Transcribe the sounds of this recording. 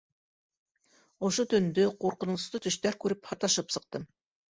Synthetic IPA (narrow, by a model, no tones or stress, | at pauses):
ŏʃot̪ɵ̆nd̪ɵquɾqɤ̆nust̪ɤt̪ɵ̆ʃt̪æɾkʉɾɘphɑt̪ɑʃɤpsɤ̆q̚t̪ɤm